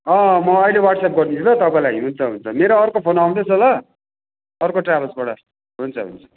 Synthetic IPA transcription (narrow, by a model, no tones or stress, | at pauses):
ʌ̃mʌːilewaʈsep̚ɡʌrnit͡sʰulʌt̪ʌpãĩlaiɦunt͡sʰʌɦunt͡sʰʌmeɾoːrkopʰonaw̃d̪esolʌ | ʌrkoʈrabʌlsbʌɽʌ | ɦunt͡sʰʌɦṵnt͡sʰʌ̥